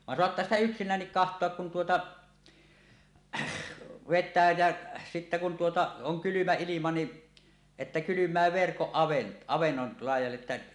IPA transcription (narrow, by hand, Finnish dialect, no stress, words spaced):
ʋɑn soɑtːɑː sitæ yksinˑæːnːik kɑhtˑoɑk kun tuotɑ ʋetˑæː jæ sitːæ kun tuotɑ oŋ kylymæ ilimɑ ni etːæ kylymˑæː ʋerkoʔ ʔɑʋenːol lɑijˑɑlːe ĕtːæ